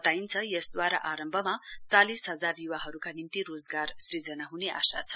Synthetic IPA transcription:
t̪aint͡sʰʌjʌsd̪waɾaʔaɾʌmbʱʌmat͡salisɦʌd͡zarjuwaɦʌɾukanint̪irod͡zɡarsrid͡zʌnaɦuneʔa̰sat͡sʰʌ̥

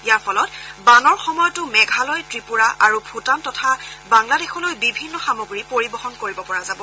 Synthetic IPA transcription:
ijaɹpʰɔlɔtbanɔɹxɔmɔjɔtʊmɛɡʱalɔjtɹipuɹaʔaɹubʱutantɔtʰabaŋladexɔlojbibʱinːɔxamoɡɹipoɹibɔɦɔnkoɹibɔpɔɹazabɔ

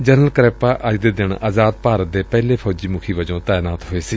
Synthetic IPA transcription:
d͡ʒənəlkɾɛːpaːʔəd͡ʒd̪eːd̪ɪɳa̰ːzaːd̪̚paːɾət̪̚d̪eːpɛːleːpʰɔːd͡ʒiːmʊkʰiːʋəd͡ʒõːt̪aːjnaːt̪ɦoːeːsiː

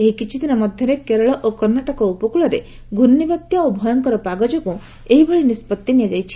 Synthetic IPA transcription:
eɦikit͡ʃʰid̪inɔmɔd̪ʱjɔɾekeɾɔɭɔʔokɔɾnaʈɔkɔupɔkuɭɔɾe | ɡʱunːibɔt̪jɔobʱɔjɔŋkɔɾɔpaɡɔd͡ʒɔku | eɦibeɭinispɔt̪jɔnijad͡ʒajt͡ʃʰi̥

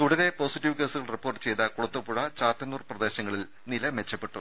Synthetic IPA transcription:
t̪uɽɐɾe̞po̞ːsitːiʋke̞ːsuɣɐɭripːorʈːɨ̥t͡ɕe̞jt̪ɐkuɽɐt̪ːupuɻɐt͡ɕaːt̪ːɐnuːrprɐd̪e̞ːɕɐŋːɐɭil | nilɐme̞t͡ɕːɐpːe̞ʈːu

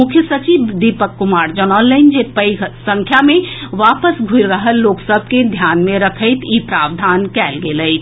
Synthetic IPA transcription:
mʊkʰjəsɐt͡ʃiːbd̪iːpəkːʊmaːɾd͡ʒənɔːlːəɪnd͡ʒet̪̚pəiɡsə̃ŋkʰjamẽʋaːpəsɡʱʊɾəɦəlloːksəb̚ʱked̪ʱjaːnmẽɾɐkʰəɪt̪ʰiːpɾaːʋd̪ʱaːnkɛːlɡeləɪt̪

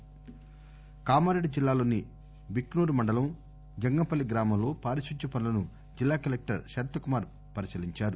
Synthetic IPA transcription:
kaːmaːɾeɖd͡ʒilːaːlo̞ːni | biknuːɾmɐɳɖɐlɐm | d͡ʒɐŋɡɐpɐlːiɡɾaːmɐmlo̞ːpaːɾiʃuɲt͡ʃɐpɐnulɐnu | d͡ʒilːaːkɐlek̚ʈɐɾʃɐɾt̪ɐkumaːɾ | pɐɾisiliɲt͡ʃaːɾu

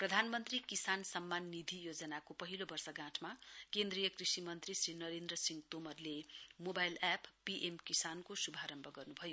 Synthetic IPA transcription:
prʌd̪ʱanmʌnt̪rikisansʌmːanːid̪ʱijod͡zʌnakopʌɦilobʌrsʌɡãʈʰmakend̪rijʌkrisimʌnt̪risrinʌɾend̪rʌsiŋɡt̪omʌrlemobajlapːiʔemkisankosubʱaɾʌmbʱʌɡʌrnubʱʌjo

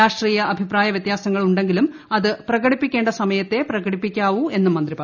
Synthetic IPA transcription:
aːʂʈriːjɐʔɐbʱipraːjɐʋjɐt̪jaːsɐŋːɐɭuɳɖeŋɡilum | ɐðɨprɐɣɐɽipːikʲːe̞ːɳɖɐsɐmɐjɐt̪ːe̞prɐɣɐɽipːikʲːaːʋue̞nːumɐnd̪ripɐ

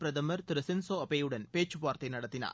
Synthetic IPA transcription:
pɾɐd̪ɐmɐɾt̪iɾɐsinsoːɐpejuɽɐnpeːt͡ʃːupaːɾt̪enɐɽɐt̪ːinɐ̰

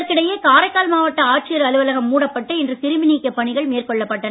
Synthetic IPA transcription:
ɾkɪɽɐjeːkaːɾɐɪkːaːlmaːʋɐʈːɐaːʈ̚t͡ʃɪjɐɾɐlɯʋɐlɐɣɐmːuːɽɐpːɐʈːɯɪndrɯsɪɾɯmɪniːkːɐpːɐɳɪɣɐɭmeːrkɔɭːɐpːɐʈːɐn

